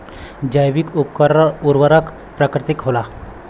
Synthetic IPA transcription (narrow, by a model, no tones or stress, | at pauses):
d͡ʒajʋikupkəɾuɾwəɾək | pɾakɾɪt̪ikɦola